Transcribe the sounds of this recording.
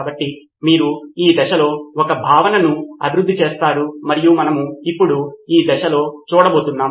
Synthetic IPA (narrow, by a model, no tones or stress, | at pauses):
bɐʈːi | miːɾuiːd̪ɛʃɐlo̞ːɔkɐbʱaːʋɐnɐnuɐbʱiɾud̪ːit͡ʃe̞ːst̪aːɽumɐɾijumɐnɐmuipːuɽuiːd̪ɛʃɐlo̞ːt͡ʃuːɽɐbo̞ːt̪unːaː